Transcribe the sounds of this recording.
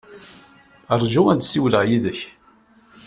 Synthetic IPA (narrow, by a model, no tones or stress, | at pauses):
əɾˤʒuænd̪siwləʕjiðəç